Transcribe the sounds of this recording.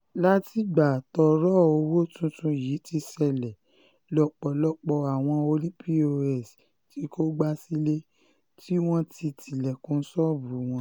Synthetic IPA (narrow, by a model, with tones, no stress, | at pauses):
la˦ti˦ɡ͡ba˨tɔ˧ɾɔ˦o˧wo˦tũ˦tũ˧ji˨˦ti˧sɛ˧˨lɛ˨ | lɔ˨k͡pɔ˨lɔ˧˦k͡pɔ˧a˨w̃ɔ̃˧o˧lĩ˦pi˦o˧ɛ˦˨s | ti˦ko˦ɡ͡ba˦si˦le˦ | ti˦w̃ɔ̃˦ti˧tʰi˨lɛ˨kũ˧˦n̩˦sɔ˦bu˨˦w̃ɔ̃˧